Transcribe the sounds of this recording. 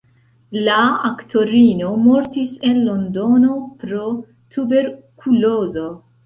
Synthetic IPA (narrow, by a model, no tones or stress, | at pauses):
laaktʰo̞ɾino̞mo̞ɾtisenlo̞ndo̞no̞pɾo̞ | t̪ʰube̞ɾkʰulo̞zo̞